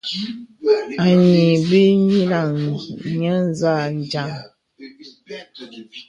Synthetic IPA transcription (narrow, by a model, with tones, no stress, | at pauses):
a˨ɲi˨bi˦ɲi˦la˨ŋɲə˦n˦za˦˨n˨d͡ʒa˨ŋ